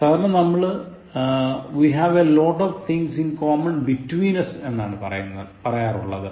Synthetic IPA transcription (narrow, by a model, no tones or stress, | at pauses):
ɐðnːenɐmːɐɭ | ʋiɦɐʋeloːʈːoʋt̪ʰiŋɡsinkoːmɐɳbitːwiːnɐsenːa̰ːɳɨpɐrɐ̰junːɐðɨpɐrɐjaːrṵɭːɐ̰ðɨ